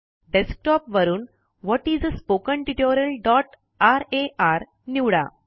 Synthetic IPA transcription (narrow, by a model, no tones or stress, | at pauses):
ɖesk̚ʈɔpʋəɾuːn | ʋɔʈiːd͡zspokəɳʈiʈoɾjəlɖɔʈ | aɾeʔaɾ | niʋɽa̰